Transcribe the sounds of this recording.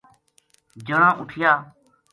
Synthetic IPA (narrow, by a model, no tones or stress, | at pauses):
d͡ʒəɳ̃ãːʔʊʈʰɪjaː